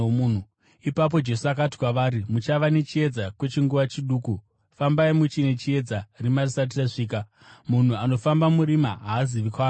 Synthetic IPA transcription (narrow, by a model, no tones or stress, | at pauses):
unu | ipap̬o̞d͡ʒe̞suak̬ati̥kwaʋaːɾimut͡ʃaʋane̞t͡ʃie̞d͡zakwe̞t͡ʃiŋɡuʋat͡ʃiɗuːku | fambaimut͡ʃine̞t͡ʃie̞d͡zarimarisat̬iraʐiːk̬a | mun̤uano̞fambamuɾimaɦaːziʋikwaː